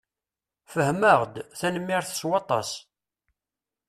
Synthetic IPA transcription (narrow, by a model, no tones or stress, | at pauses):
fəhməʁd̪θænəmːiɾθswɑt̪ˤɑ̰s